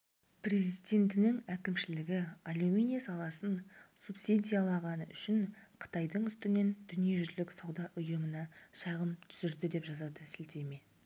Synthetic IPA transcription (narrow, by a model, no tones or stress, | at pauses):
prʲe̞zid̪ʲe̞nt̪ɪnɪŋækʲɪmʃɪlɪɡʲɪalumʲinʲijasɑlˠɑsənsupsid̪ʲijalˠɑʁɑnə̰ʔʏ̰ʃɪnqʰə̥t̪ɑjd̪əɴʏst̪ɪne̞nd̪̥ʏnije̞ʒʏzlɪksɑwd̪ɑʔʊjəmənɑʃɑʁəmt̪ʰʏ̥zɪɾd̪ɪd̪e̞pʒɑzɑd̪əsɪlt̪eme̞